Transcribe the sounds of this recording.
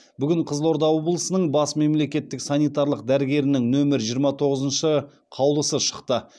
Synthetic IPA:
bʏɡʲɪɴqʰəzlˠo̞ɾd̪ɑwo̞blˠəsənəɴbɑsme̞mle̞kʲe̞t̪ːɪksɑnijt̪ɑɾlˠəq̚d̪æɾɪɡʲe̞ɾɪnɪŋnɵmɪɾʒijəɾmɑt̪ʰo̞ʁəzənʃə | qʰɑwlˠəsəʃə̥qt̪ə

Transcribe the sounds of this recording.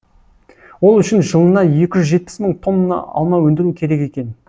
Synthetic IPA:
wo̞lˠʏʃɪnʒəlˠənɑje̞kʲɪʒʏzʒe̞t̪̚pɪ̥sməɴt̪ʰo̞nːənɑ̰ɑ̰lˠmɑwɵnd̪ɪɾukʲʰe̞ɾe̞ke̞kʲe̞n

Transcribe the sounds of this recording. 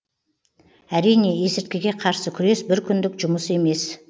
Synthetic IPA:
æɾijne̞esɪɾt̪̚kʲeɡʲe̞qʰɑɾsəkʲʰʏɾe̞sbɪɾkʲʰʏnd̪ɪkʒʊməse̞me̞s

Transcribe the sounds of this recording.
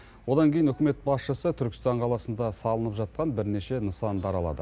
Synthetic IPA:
wo̞d̪ɑŋkʲʰejɪnʏkʲɪme̞t̪̚bɑsʃəsət̪ʰʏɾkʲɪ̥st̪ɑɴqʰɑlˠɑsənd̪ɑsɑlˠənəpʒɑt̪̚qɑnbɪɾne̞ʃe̞nəsɑnd̪ɑɾɑlˠɑ̰d̪ə

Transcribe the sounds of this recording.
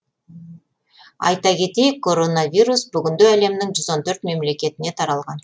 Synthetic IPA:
ɑ̰jt̪ɑkʲʰe̞t̪e̞jɪkʰːo̞ɾo̞nɑvʲijɾusbʏɡʲɪnd̪eæle̞mnɪŋʒʏzo̞nt̪ʰɵɾt̪me̞mle̞kʲe̞t̪ɪne̞t̪ʰɑɾɑlˠʁɑn

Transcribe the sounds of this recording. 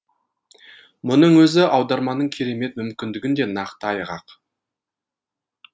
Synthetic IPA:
mʊnəɴwɵzɪʔɑwd̪ɑɾmɑnəɴkʲʰe̞ɾe̞me̞t̪mʏmkʲɪnd̪ɪɡʲɪnd̪e̞nɑqt̪əɑjʁɑ̰q

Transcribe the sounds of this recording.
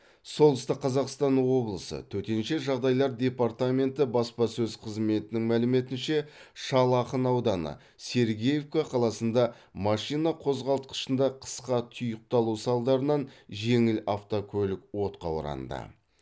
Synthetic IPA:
solˠd̪əst̪əqːʰɑzɑqst̪ɑnwo̞blˠəsə̰t̪ʰɵt̪e̞nʃe̞ʒɑʁd̪ɑjlˠɑɾd̪ʲe̞part̪amʲe̞nt̪ɪbɑspɑsɵzqʰəzme̞t̪ɪnɪŋmælɪme̞t̪ɪnʃe̞ʃɑlˠɑqənɑwd̪ɑnə̰ | se̞ɾɡʲejevkaqʰɑlˠɑsənd̪ɑ | mɑʃijnɑqʰo̞zʁɑlˠt̪qə̥ʃənd̪ɑqʰə̥sqɑt̪ʰʊjəq̚t̪ɑlˠusɑlˠd̪ɑɾənɑnʒe̞ŋɪlaft̪okʲʰɵlɪkwo̞t̪qɑ̰wəɾɑ̰nd̪ə̰

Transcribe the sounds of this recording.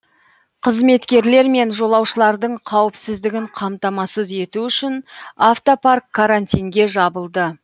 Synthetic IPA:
qʰəzme̞t̪kʲe̞ɾle̞ɾme̞nʒo̞lˠɑwʃəlˠɑɾd̪əɴqʰɑwəpsɪzd̪ɪɡʲɪɴqʰɑmt̪ɑmɑsəze̞t̪uʏʃɪnaft̪oparkʰːaɾant̪ʲijŋɡʲe̞ʒɑbəlˠd̪ə

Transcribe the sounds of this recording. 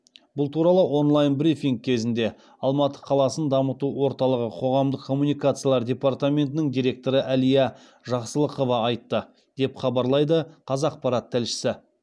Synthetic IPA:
bʊlˠt̪ʰuɾɑlˠəwo̞nlˠajnbɾifiŋk̚kʲʰe̞zɪnd̪e̞ | ɑlˠmɑt̪ə̥qʰɑlˠɑsənd̪ɑmət̪uwo̞ɾt̪ɑlˠəʁəqʰo̞ʁɑmd̪əqkʰːo̞mːunijkat̪sɨjalˠɑɾd̪ʲe̞part̪amʲe̞nt̪ɪnɪŋd̪iɾʲe̞k̚t̪o̞ɾəʔælijɑ | ʒɑqsəlˠəqo̞vɑːjt̪ːə | d̪̥e̞pχɑbɑɾlˠɑjd̪əqʰɑzɑːq̚pɑɾɑt̪ʰːælʃɪ̥sɪ

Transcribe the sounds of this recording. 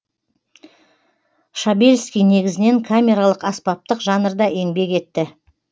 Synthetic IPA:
ʃabe̞lʲskʲijne̞ɡʲɪzɪne̞ŋkʰamʲe̞ɾalˠəqɑspɑp̚t̪əqʒɑnəɾd̪ɑʔe̞ŋbe̞ke̞t̪ːɪ

